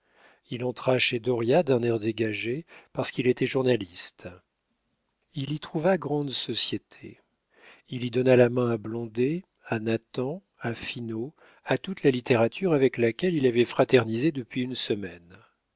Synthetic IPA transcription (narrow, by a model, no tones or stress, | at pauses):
ilɑ̃t̪χaʃed̪ɔʁjad̪ɛ̃nɛʁd̪eɡaʒepaʁsə̥kilet̪ɛʒuʁnalist̪ | ilit̪χuvaɡʁɑ̃d̪sɔsjet̪ʰḛ | ilid̪ɔnalamɛ̃ablɔ̃d̪e | anat̪ɑ̃ | afino | at̪ut̪lalit̪eʁat̪ʰyʁavɛklakʲɛlilavɛfχat̪ɛʁnized̪əpɥiynsəmɛn